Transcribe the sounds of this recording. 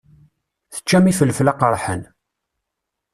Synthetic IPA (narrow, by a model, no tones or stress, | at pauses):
θə̥t͡ʃːæmifəlflaqəɾˤħə̰n